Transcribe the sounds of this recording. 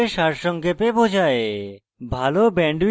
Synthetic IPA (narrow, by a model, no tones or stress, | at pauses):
eʃaɾʃɔŋkepebod͡ʑʱae | bʱalobɛɳɖ